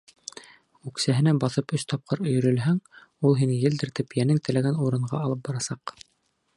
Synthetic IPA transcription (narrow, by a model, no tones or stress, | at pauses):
ʉksæɦɘ̆næbɑθɤpɵst̪ɑp̚qɤɾɵ̆jɵ̆ɾɵ̆lɦæŋulˠɦinjɘ̆ld̪ɘ̆ɾt̪ɘpjænɘŋt̪ɘ̆læɡænuɾɤ̆ɴɢɑ̰ɑlˠɤp̚bɑɾɑsɑq